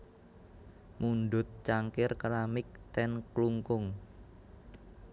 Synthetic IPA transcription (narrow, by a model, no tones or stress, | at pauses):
munɖ̪ʊ̤t̪̚t͡ʃaŋkɪrkɾamɪk̚t̪ɛnkluŋkʊŋ